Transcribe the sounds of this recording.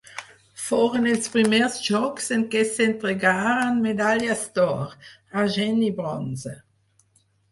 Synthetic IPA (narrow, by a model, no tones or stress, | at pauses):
foʁenelspɾimɛʁsʒɔkseŋkesent̪ɾeɡaːɾanmed̪aljast̪ɔʁaʒɛnibɾɔnza